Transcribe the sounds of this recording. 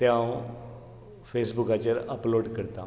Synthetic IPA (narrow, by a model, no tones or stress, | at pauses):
t̪jãw | fesbukat͡ɕəɾəploɖkəɾt̪a